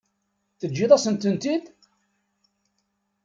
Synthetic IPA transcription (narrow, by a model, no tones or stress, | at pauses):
θəd͡ʒːiðˤɑsənt̪ənt̪id̪